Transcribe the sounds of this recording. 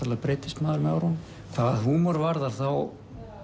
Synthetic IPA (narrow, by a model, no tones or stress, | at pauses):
aɾlapɾejt̪ɪ̥st̪maːðʏɾmɛaɾhɔnm | kʰvaːðɦunmɔɾvaɾðaɾ̥θaw